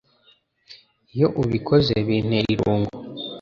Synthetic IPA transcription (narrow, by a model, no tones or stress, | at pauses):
ijo̞ʔuβikʰozeβin̥eiɾuːŋɡo